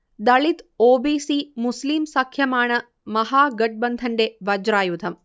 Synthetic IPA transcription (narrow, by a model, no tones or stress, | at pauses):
d̪ɐɭit̪oːbiːsimusliːmsɐkʰjɐmaːɳɐ | mɐɦaːɡɐʈ̚bɐnd̪ʱɐɳɖeʋɐd͡ʒɾaːjud̪ʱɐm